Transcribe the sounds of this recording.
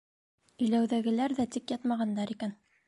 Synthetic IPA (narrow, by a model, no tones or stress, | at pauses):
ɵ̆jlæwðæɡɘ̆læɾðæt̪ikjɑt̪mɑʁɑnd̪ɑɾikæn